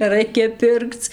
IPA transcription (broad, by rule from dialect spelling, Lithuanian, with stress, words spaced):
nʲɛˈrɐɪkʲɛ ˈpʲɪrkt͡s